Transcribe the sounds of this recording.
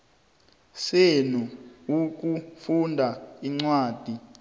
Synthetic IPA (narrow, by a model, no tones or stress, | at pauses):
senuuk̬ʼufundʱaiŋ͡ǀwaːd̥ʱi